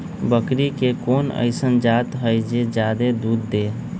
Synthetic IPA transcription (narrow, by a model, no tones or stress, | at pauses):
bəkɾikekonə̰ɪsənd͡ʒat̪ɦəjd͡ʒed͡ʒad̪ed̪ud̪ːe